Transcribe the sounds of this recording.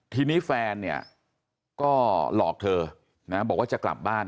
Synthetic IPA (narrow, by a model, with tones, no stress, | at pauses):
t̪ʰiː˧niː˦˥fɛː˧nːi˦˥˩ɐ | kɔː˥˩lɔ̰ː˨˩k̚t̪ʰɤː˧ | na˦˥bɔː˨˩k̚waː˥˩a˨˩kla̰˨˩p̚baː˥˩n